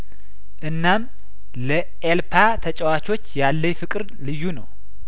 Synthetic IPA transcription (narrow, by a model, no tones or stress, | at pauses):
ʔɨnːam | lə | ʔelpʰat̪ʰət͡ʃʼɛwat͡ʃo̞t͡ʃːjalːəɲfɨkʼɨɾ | lɨjːunəw